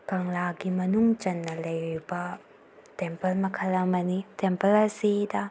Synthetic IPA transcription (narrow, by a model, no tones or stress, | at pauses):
kɐŋlaɡimɐnuŋt͡ʃɐnːɐlɐjɾibɐ | tempɐlmɐkʰɐlɐmɐnitempɐlɐsidɐ